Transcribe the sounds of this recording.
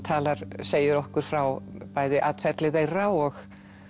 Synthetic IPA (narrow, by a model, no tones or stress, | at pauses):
t̪ʰaːlaɾ̥seːjʏɾɔhkʏɾ̥fɾawpaːjðɪʔat̪fɛɾt̪lɪðejraːwɔx